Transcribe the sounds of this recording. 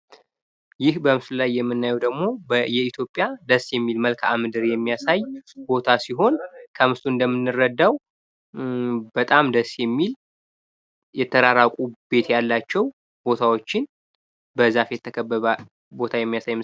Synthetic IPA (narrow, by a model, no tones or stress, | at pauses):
jɪhbəmsɨlajːɛmːɨnːajɛwd̪əɡmo̞bjɛit̪ʰjo̞pʼjad̪əsjɛmːilməlkʰamɨd̪ɨɾjɛmːijasajbo̞t̪ʰasiɦo̞nkʰəmɨst̪ʰʼuɨnd̪əmːɨnːɨrːəd̪ːaw | bət̪ʼamd̪əsjɛmːil | jɛt̪ʰːəɾaɾakʼub̥e̞t̪jalːat͡ʃːɛw | b̥o̞t̪ʰawo̞t͡ʃːɪn | bəzafjɛt̪ʰːəkʰəbːəβa | bo̞t̪ʰajɛmːijasajːm